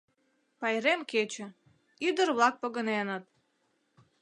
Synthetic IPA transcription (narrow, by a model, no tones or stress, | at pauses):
pɑjɾemket͡ɕə̆ | id̪ə̆rβlˠɑk̚pəɣə̆nenət̪̚